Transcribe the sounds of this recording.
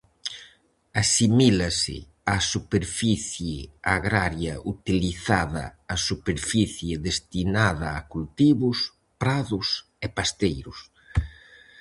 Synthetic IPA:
asimilasɪ̰ | asupeɾfiθjɪaɣɾaɾjɐʔut̪iliθaðɐ̰ːsupeɾfiθjɪðest̪inaðɐːkult̪iβʊs | pɾaðʊs | epast̪ejɾʊs

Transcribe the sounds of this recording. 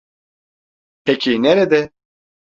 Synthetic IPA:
pʰɛkʰinɛɾɛd̪ɛ

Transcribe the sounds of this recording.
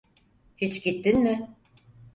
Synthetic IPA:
hit͡ʃɟit̪ːinmɪ

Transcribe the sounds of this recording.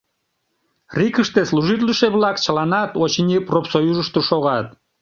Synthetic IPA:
rʲikəʃt̪eslˠuʒit̪̬ʲlʲiʃeβlˠɑkt͡ɕə̆lˠɑnɑt̪ot͡ɕinʲipropsojuʒəʃt̪oʃoɣɑt̪̚

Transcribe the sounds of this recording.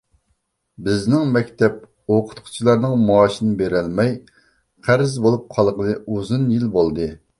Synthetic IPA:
bɪznɪŋmɛkʲt̪ʰɛp̚ | oqʰʊ̥t̪qʰʊ̥t͡ʃʰilˠɑɾnɨŋmuɑːʃinɪbeɾɪlmɛj | qʰæɾɪzbolˠup̚qʰɑlˠʁənɨuzunjilbolˠd̪ɨ

